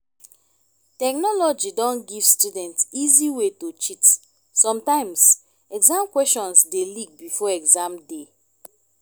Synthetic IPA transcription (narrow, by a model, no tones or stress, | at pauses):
tɛknɔlɔd͡ʒidɔ̃nɡiv̥studɛ̃ntiziwetot͡ʃit | sɔ̃mtãɪ̃ms | ɛɡzãmkwɛsʃɔ̃nsdelik̚bifɔɛɡzãmde